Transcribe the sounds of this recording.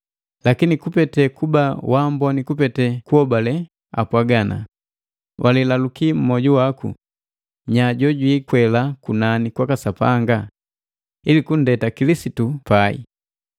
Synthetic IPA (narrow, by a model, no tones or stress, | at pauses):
lakinikupɛtɛkubawambɔnikupɛtɛkuɔbalɛ | a̰pwaɡana̰ | wʔalilalukim̩mɔɟuwakṵ | ɲaɟɔɟwiːkwɛlakunanikwakasapaŋɡa | ilikun̩dɛtakilisitupaḭ